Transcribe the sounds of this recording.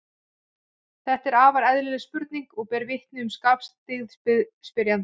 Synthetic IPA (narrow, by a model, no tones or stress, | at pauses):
θɛht̪ɛɾaːvaɾɛðlɪlɪspʏɾt̪̚niŋkɔɣpɛːɾvɪht̪nʏʏmskapst̪ɪɣðɪspɪɾjan